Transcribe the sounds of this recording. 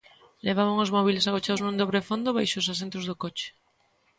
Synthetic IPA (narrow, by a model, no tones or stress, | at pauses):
leβ̞aβaŋozmɔβilesaɣot͡ʃaðoznũnd̪oβɾefond̪oβajʃos̬as̬ẽnt̪ɾozðokot͡ʃe̥